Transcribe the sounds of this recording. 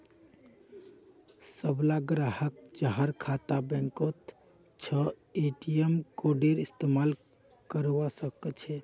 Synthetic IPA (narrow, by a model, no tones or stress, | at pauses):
səblaɡɾahək̚t͡ʃaɦəɾkʰat̪abɛ̃ŋkot̪ | t͡ʃʰə | eʈijəmkoɖeɾist̪emal | kəɾʋasəkət͡ʃʰɛ